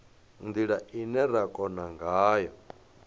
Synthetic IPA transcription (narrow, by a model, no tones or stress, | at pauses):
nd̪iɺaʔinɛɾakʼɔnaŋɡaːjɔ